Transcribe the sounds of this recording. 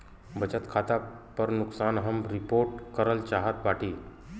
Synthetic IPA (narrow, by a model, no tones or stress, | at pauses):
bət͡ɕət̪kʰat̪a | pəɾnuksanɦəmɾipoɾʈkəɾəlt͡ɕaɦat̪baʈʰiː